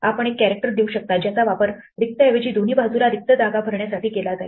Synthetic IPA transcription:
apəɳ̃ekːæɾek̚ʈəɾd̪euɕək̚t̪at̪d͡ʑjat͡saʋapəɾ | ɾik̚t̪əeʋed͡ʑiːd̪ʱoniːbʱad͡zuɾaɾik̚t̪əd̪aɡabʱəɾɳjasaʈʰiːkelad͡z̪aj

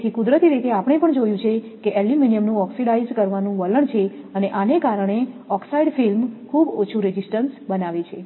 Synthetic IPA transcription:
t̪ʰikud̪ɾət̪iɾit̪eapəɽ̃epəɳd͡ʒojũt͡ʃʰekeʔɛliminijəmnũɔksiɖaizkəɾʋanũʋələɳt͡ʃʰeəneʔanekaɾəɳ̃eɔksaiɖfilmkʰubot͡ʃʰũɾed͡ʒisʈənsbənaʋet͡ʃʰe

